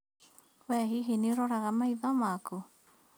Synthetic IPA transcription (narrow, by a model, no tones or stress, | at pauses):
wɛɦiɦinioɾoɾaɣamaiðamaku